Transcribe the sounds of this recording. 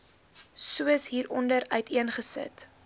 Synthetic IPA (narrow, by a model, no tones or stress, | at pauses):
suəsɦiːɾɔndəɾœɥtʰiənχəsə̰t